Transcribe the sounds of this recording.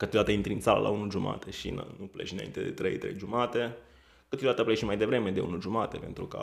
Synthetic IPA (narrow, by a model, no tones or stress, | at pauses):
kɨt̪jod̪at̪aint̪ɾiɨnsalə̰lʔa̰unuʒuma̰t̪e̞ʃḭn̰nupleʃina̰ḭnt̪ed̪ḛt̪ɾḛjt̪ɾe̞̰jʒumat̪e̞ | kɨt̪jod̪at̪əpleʃimajd̪e̞vɾe̞me̞d̪e̞ṵnuʒumat̪e̞pe̞nt̪ɾukə̰